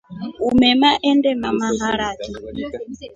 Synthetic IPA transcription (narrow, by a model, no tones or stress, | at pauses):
umɛmaʔɛndɛmamaɦaɺati